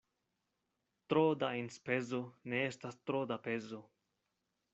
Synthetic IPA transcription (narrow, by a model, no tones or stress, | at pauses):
t̪ɾoːd̪ainspɛzunɛst̪ast̪ɾoːd̪apezʊ